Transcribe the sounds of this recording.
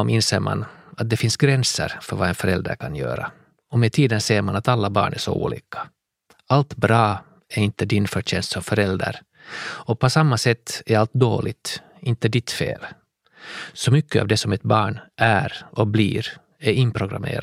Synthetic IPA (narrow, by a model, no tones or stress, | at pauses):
mʔɪnseːɾma̰nat̪̚d̪ɛfɪnsɡɾɛnsə̰ɾfœɾvaɛnfœɾɛld̪ɾa̰ɾkʰanjø̰ːɾa | ɔmɛt̪ʰiːd̪ənseːɾmanat̪alːabɑ̰ːɳʔæʂɔ̰ṵːlḭːkʰḁ | alt̪bɾɑː | æɾɪnt̪əd̪ɪnfœɕɛnst̪sɔmfœɾɛld̪a̰ɾ | ɔpʰɔsamːasɛt̪ːæɾalt̪̚d̪o̰ːlʔɪɡt̪ | ɪnt̪əd̪ɪt̪fḛːl | sɔmʏkːəa̰vd̪ɛsɔmɛt̪̚bɑːɳʔæɾʔɔblḭːɾ | æɾɪnpʰɾʊɡɾa̰mḛːɾ